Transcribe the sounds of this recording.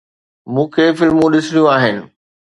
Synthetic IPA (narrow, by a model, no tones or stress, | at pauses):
mũːkʰefɪlmũɗɪsɽijũaːɦɪnɪ̆